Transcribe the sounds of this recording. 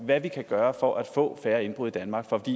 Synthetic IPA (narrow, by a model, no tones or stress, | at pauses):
ʋæʋikʰæɡ̥ɶːɐfɒ̽ʔæd̥fɔ̰̽ːfæːɐe̝nb̥ʁuð̰ˠid̥ænmɑ̈ːɡ̥fɒfɒd̥ḭː